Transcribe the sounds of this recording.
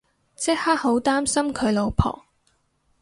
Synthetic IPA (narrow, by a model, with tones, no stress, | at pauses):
t͡sɛ˥k̚haː˥t̚ho˨˥wt̪aː˥msɐ˥mkʰɵ˨˧ɥlo˨˧wpʰɔ̰ː˨˩